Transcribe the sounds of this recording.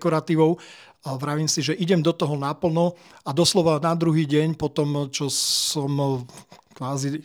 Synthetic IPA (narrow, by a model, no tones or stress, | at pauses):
kɔɾat̪iːʋɔʊ | ʋɾaʋiːmsiʒɛʔiɟɛmd̪ɔt̪ɔɦɔnapl̩nɔ | ad̪ɔslɔʋanad̪ɾuɦiːɟɛɲpɔt̪ɔmt͡ʃɔsɔm | kʋaːzi